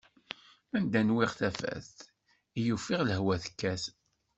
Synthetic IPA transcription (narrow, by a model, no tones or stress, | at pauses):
ænd̪ænwɪʁθæfæ̰θ | ijufiʁləhwæθə̥kːæθ